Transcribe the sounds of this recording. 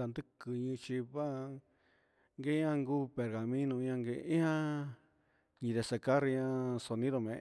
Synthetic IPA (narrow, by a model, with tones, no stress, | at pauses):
a˨˧nd̪ɨ˦kɨ˨ɲĩ˧t͡ʃi˧βa˦˧ | ŋɡe˦ã˧ŋɡuː˦pe˨ɾɣa˨mĩ˦nũ˧ɲã˧ŋɡe˧ĩ˦hã˦ | ɲĩ˧ðe˧se˧ka˦ɾi˧ɲã˧so˨nĩ˦ðo˧mẽ˨